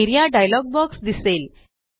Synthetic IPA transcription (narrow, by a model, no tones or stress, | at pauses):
iɾijaɖajlɔk̚bɔksd̪isel